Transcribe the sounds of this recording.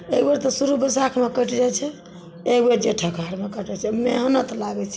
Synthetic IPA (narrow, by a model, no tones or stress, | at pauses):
ekbeɾt̪ɔsuɾubəsakʰmekəʈʰd͡ʒajt͡ʃʰɛ | ekbeɾd͡ʒeʈʰəkʰaɾmekəʈɛt͡ʃʰɛmeɦnət̪laɡɛt͡ʃʰɛ